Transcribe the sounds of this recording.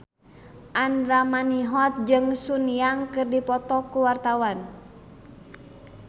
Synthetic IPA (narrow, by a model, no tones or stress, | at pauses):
ʔanɾamaniɦɔt̪̚d͡ʒɨŋsunjaŋkɨrdipɔt̪ɔkuwart̪awan